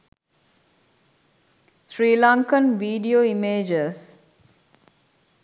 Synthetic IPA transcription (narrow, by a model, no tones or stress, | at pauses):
sɾiːlaŋkənʋiːɖioːimeːd͡ʒəs